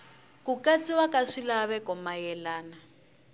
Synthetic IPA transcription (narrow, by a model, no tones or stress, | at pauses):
kukat͡sʼiwakaʂilaβɛkɔmajɛlaːna